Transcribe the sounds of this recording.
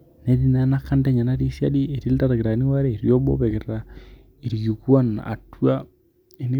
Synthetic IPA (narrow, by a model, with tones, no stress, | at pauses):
ne˨˦di˦n˨˦na˦kːa˦nde˦ɲa˨na˦ɾi˦sja̰˦di˦e˨ɾi˦lta˦ɾa˨ɡe˨ɾa˨ni˦wa˦ɾɛ˦i˨ɾjo˦bɔ̰˦bɛ˨ke˨ɾɾa˨ | i˨ɾju˨kwa˦na̰˨twa˦ | e˨ni˦